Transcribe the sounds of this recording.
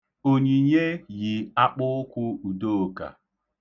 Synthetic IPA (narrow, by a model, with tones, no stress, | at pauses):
o˨ɲi˨ɲe˦ji˨a˦k͡pʊ˦kʷʊ˦u˨do˦˨o˨ka̰˨